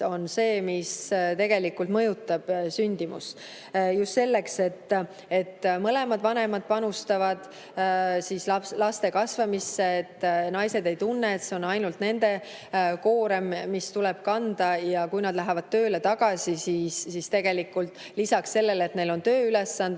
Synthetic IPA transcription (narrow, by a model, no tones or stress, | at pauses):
o̞nse̞ːmist̪e̞ɡ̥e̞likːult̪mɤ̞jut̪ːˑɑb̥synʲd̪imṵs | just̪se̞lːe̞kse̞t̪ː | e̞t̪ːmɤle̞mɑd̪̥vɑne̞mɑd̪̥̚pɑnust̪ɑvɑd̪̥ | sislɑlɑst̪e̞kɑsvɑmisːe̞ːt̪ːnɑjse̞d̪e̞jt̪unːeet̪se̞o̞nɑjnult̪ne̞nd̪e̞ | ko̞ːɾemːist̪ulɛb̥kɑnd̪̥ɑjɑkujnɑd̪̥læɦevɑd̪̥̚t̪ø̞ːlet̪ɑɡ̥ɑsisisːist̪e̞ɡ̥e̞likːult̪ˑ | lisɑksse̞lːe̞let̪ne̞jlo̞nt̪ø̞ːylesːɑnd̪̥